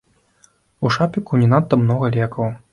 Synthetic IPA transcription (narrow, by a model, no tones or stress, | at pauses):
uʂapʲikunʲɛnat̪ːɐmnɔɣɐlʲɛkɐw